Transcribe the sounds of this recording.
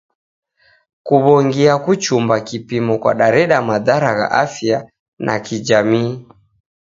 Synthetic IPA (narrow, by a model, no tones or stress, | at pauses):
kuβɔŋɡiakut͡ʃumbakipimɔkwa̰ɗaɾɛɗamaðaɾaɣa̰ʔafia | nʔa̰kid͡ʒamiː